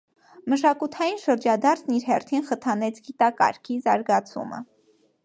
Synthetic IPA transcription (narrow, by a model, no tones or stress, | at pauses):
məʃɑkut̪ʰɑjinʃəɾd͡ʒɑd̪ɑɾt͡sʰniɾɦɛrt̪ʰinχət̪ʰɑnɛt͡sʰɡit̪ɑkɑ̰ɾkʰizɑɾɡɑt͡sʰṵmə̰